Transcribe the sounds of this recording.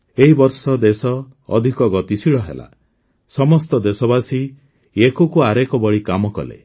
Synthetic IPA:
eɦibɔɾsɔd̪esɔ̰ː | d̪ʱikɔɡɔt̪isiɭɔɦḛla̰ | sɔmɔst̪ɔd̪esɔbasi | ekokuaɾekɔbɔɭikamɔkɔ̰lḛ

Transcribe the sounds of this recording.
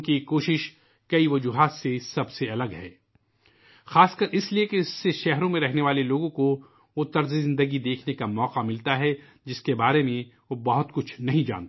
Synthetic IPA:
kikoːʃɪʃ | kɐiʋɐd͡ʒuːɦaːt̪sesɐbseɐləɡɦɛː | xaːskɐɾʔɪsliekeɪsːeʃɛɦɾõmẽɾɛɦneʋaːleloːɡõko | ot̪ɐɾzizɪ̃nd̪əɡid̪eːkʰnekamɔːqamɪlt̪aɦɛ | d͡ʒɪskebaːɾemẽʋobɐɦʊt̪kʊt͡ʃʰnɐɦĩd͡ʒa̰ːnt̪ː

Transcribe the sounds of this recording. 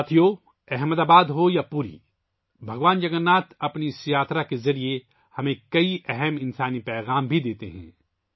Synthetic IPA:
t̪ʰijoː | ɛɦməd̪aːbaːd̪ɦojapuɾḭ | bʱɐɡʋaːnd͡ʒɐɡənːaːt̪ɐpnisjaːt̪ʰɾakezɐɾie | hɐmẽkɐiʔɛɦɛmɪ̃nsaːnipɛːɣaːmbʱid̪eːt̪eɦɛ̰̃ː

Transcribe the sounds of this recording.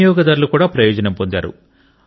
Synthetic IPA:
jɔːɡɐd̪aːɾulukuːɽaːpɾɐjɔːd͡ʒɐnɐmpond̪a̰ːɾṵ

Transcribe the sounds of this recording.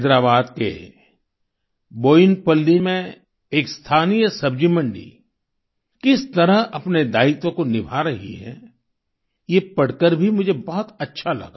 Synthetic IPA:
d̪ɾaːbaːd̪kḛ | boːɪnpɐlːimẽ | eːkst̪ʰaːnijəsɐb̚d͡ʒimə̃ɳɖḭ | kɪst̪ɐɾəɦɐpned̪aːɪt̪õkonɪbʱaɾɐɦḭɦɛ̰ | jepɐɽkəɾbʱimʊd͡ʒʱebɔɦɔt̪ɐtːʃʰalɐ̰ɡaː

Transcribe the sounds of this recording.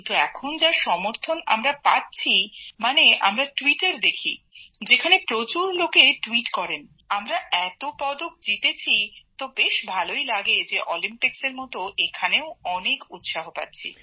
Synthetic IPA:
nt̪uɛkʰond͡ʑaʃɔmoɾt̪ʰona̰mɾapatːɕʰimanea̰mɾaʈwiʈaɾd̪ekʰḭd͡ʑekʰanepɾot͡ɕuɾlokeʈuiʈkɔɾen | amɾaɛt̪opɔd̪ok̚d͡ʑit̪et͡ɕʰit̪obeʃbʱalojlaɡed͡ʑeʔɔlimpikseɾmɔt̪oʔekʰaneoɔnekut̪ʃaɦopa̰tːɕʰḭ

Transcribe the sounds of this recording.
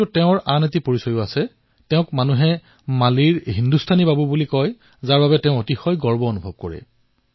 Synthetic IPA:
utɛʊ̃ɹanet̬ipoɹisɔjʊasɛ | tɛʊ̃kmanuɦɛ | maliɹɦindustʰanibabubulikɔj | zaɹbabɛtɛʊ̃otixɔjɡɔɹbɔonubʱɔb̚kɔ̰ɹɛ̰

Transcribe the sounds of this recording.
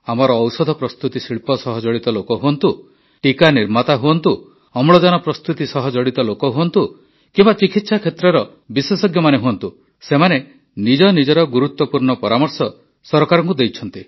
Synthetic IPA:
amɔɾɔːwsɔd̪ʱɔpɾɔst̪ut̪isiɭpɔsɔɦɔd͡ʒɔɽit̪ɔlokɔɦuɔnt̪u | ʈikaniɾmat̪aɦuɔnt̪u | ɔmɭɔd͡ʒɔnɔpɾɔst̪ut̪isɔɦɔd͡ʒɔɽit̪ɔlokɔɦuɔnt̪u | kimbat͡ʃikit̪sakʰet̪ɾɔɾɔ | biswesɔɡjɔmaneɦuɔnt̪u | semane | nid͡ʒɔnid͡ʒɔɾɔɡuɾut̪wɔpuɾɳɔpɔɾamɔɾsɔ | sɔɾɔkaɾɔ̃ŋkud̪ejt͡ʃʰɔnt̪i

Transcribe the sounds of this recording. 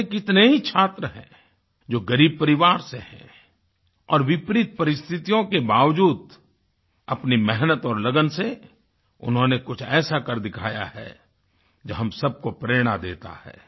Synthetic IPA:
ekɪt̪neɦit͡ʃʰaːt̪ɾəɦɛ̰̃ː | d͡ʒoːɡɐɾiːb̚pɐɾɪʋaːɾseɦɛ̰̃ | ɔːɾʋɪpɾɪt̪̚pɐɾɪst̪ʰɪt̪ijõkebaːʋd͡ʒuːd̪ | ɐpnimɛɦnət̪ɔːɾlɐɡənse | ʊ̰nɦõnekʊt͡ʃʰɛːsakɐɾd̪ɪkʰaːja̰hɛ̰ | d͡ʒoɦɐ̃msɐb̚kopɾeːɽ̃ad̪eːt̪a̰hɛ̰ː

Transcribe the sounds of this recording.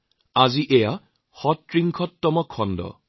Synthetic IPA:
aziʔɛja | xɔtɹiŋkʰɔtːɔmɔkʰːɔndɔ̰

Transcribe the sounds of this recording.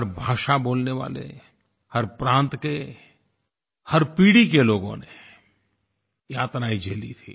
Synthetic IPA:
əɾbʱaːʃaboːlneʋa̰ːlḛ | hɐɾpɾãːnt̪ke | hɐɾpiːɽikeloːɡõ̰ne | jaːt̪naːid͡ʒeːlḭt̪ʰḭː

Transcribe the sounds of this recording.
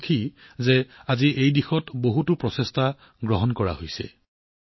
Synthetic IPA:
kʰizeaziejdixɔtboɦutʊpɹɔsesta | ɡɹɔɦɔnkɔɹa̰ɦojsɛ̰

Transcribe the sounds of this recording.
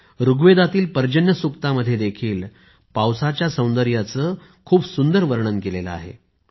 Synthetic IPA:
ɾuɡʋed̪at̪iːlpəɾd͡ʑənjəsukt̪aməd̪ʱːjed̪ekʰiːl | pawsat͡ɕjasə̃w̃nd̪əɾjat͡səː | kʰuːpsund̪əɾʋəɾɳənkelelə̰a̰ɦḛ

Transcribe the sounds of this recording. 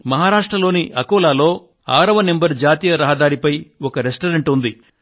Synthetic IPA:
mɐɦaːɾaːʂʈɾɐlo̞ːniʔɐkoːlaːlo̞ː | aːɾɐʋɐne̞mbɐɾd͡ʒaːt̪ijɐɾɐɦɐd̪aːɾipɐjɔkɐɾesʈɐɾeɳʈund̪i

